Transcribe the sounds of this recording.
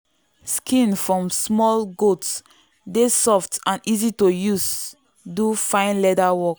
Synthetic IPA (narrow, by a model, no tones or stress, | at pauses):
skʰĩnfɹɔ̃msmɔlɡots | desɔftãnizitojus | dufãɪ̃nlɛdawɔk